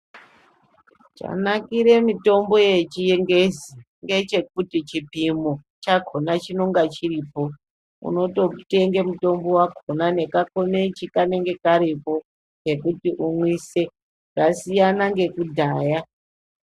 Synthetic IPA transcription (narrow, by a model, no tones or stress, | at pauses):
t͡ʃa̰nakiɾe̞mito̞mbo̞je̞t͡ʃijeŋɡezi | ŋɡe̞t͡ʃe̞k̚utit͡ʃipimo | t͡ʃakʰonat͡ʃino̞ŋɡat͡ʃiriːpo̞ | ṵno̞to̞te̞ŋɡemuto̞mbo̞wakʰonane̞kakonet͡ʃikane̞ŋɡe̞kaɾipo̞ | ke̞kutiʔumwise̞ | rasijanaŋɡe̞kudʱaːja